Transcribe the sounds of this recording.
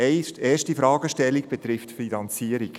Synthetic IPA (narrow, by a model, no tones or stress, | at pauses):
eːʃtifɾɑːɡəʃtɛlːiɡ̚b̥ɛtɾɪftfinɑnt͡siəɾik